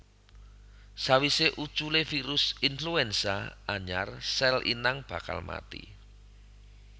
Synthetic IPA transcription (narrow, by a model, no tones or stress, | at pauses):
sawiseʔut͡ʃulefiɾʊsinfluɛnsaaɲa̰rsɛlʔḭnaŋb̥a̤ka̰lma̰t̪ḭ